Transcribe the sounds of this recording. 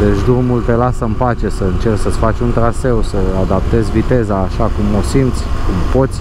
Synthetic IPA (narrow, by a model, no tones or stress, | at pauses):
d̪et͡ʃd̪urmult̪elasəmpat͡ʃe̞səɨnt͡ʃe̞rsət̪sfat͡ʃʲunt̪ɾase̞wsəad̪ap̚t̪e̞zʲvit̪e̞zaːʃakumo̞sint̪sʲkumpo̞t̪sʲ